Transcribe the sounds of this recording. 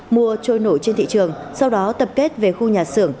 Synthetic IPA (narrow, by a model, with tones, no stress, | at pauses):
mu˧ət͡ɕo˧˩jno˧˩jt͡ɕe˧nt̪ḭ˧˨t͡ɕɨ˨˩əŋsa˧wɗɔ˨˦t̪ə˨˩p̚ke˦˥t̚ve˨˩xu˧ɲaː˨˩sɨ̰˧˩əŋ